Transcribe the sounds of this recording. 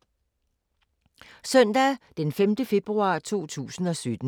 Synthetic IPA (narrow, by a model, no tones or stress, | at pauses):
sœn̰d̥æd̥enfemd̥əfe̝b̥ʁuɑ̈ːt͡sʰo̝̰ːt͡sʰṵːsn̩ɒ̽sød̥n̩